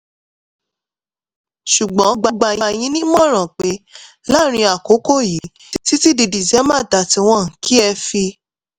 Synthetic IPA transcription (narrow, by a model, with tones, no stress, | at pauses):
ʃu˨ɡ͡bɔ̃˨˦ɡ͡ba˦ɡ͡ba˧ji˧j̃ĩ˦nĩ˦mɔ̃˦˨ɾ̃ã˨k͡pe˨˦ | la˦ɾ̃ĩ˧a˨ko˨˦ko˦˨ji˨˦ | ti˦ti˦di˧di˨d͡ʒɛ˨˦mã˦˨da˧˨ti˧w̃ɔ̃˧˦˨n̩˨ki˦ɛ˧fi˧